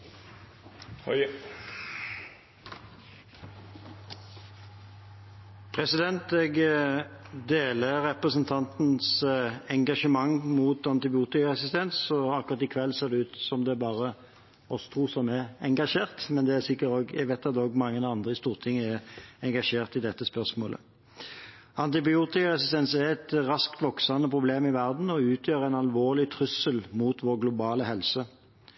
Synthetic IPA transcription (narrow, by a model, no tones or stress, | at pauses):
pʰʁɛsɪd̪ɛnt̪ɛɡ | d̪eːləʁɛpʁəsənt̪ʰɑnt̪n̩sɛŋɡɑʃəmɑŋːmuːt̪ɑnt̪ɪbɪuːt̪ɪkɑɛsɪst̪ʰɛnsɔɑkʊʁɑt̪ɪkʰʋɛlːseːʁd̪ɛʉːt̪sɔmd̪ɛbɑːʁə | ɔsɔ̥t̪ʰʁuːsɔmɛɛŋɡɑʂeːʁt̪mɛnd̪ɛæsɪkːətoːɡjæ̰ɡʋæɪt̪ːɑt̪oːɡmɑŋːənɑnd̪ʁəɪst̪uːʁt̪ʰɪŋːəæʁɛŋɡɑʂeːʁt̪ɪd̪ɛt̪ːəspœʁsmo̰ːlə̰ | ɑnt̪ɪbɪuːt̪ɪkɑʁɛsɪst̪ɛnsɛʁɛt̪ʁɑskt̪ʋɔksɑnəpʰɾʊbleːmɪʋæʁd̪n̩ɔʉːt̪ʰjøːɾænɑlʋoːʁlɪt̪ʰɾʉsəlmuːt̪ʋɔʁɡlʊbɑːləhɛlsə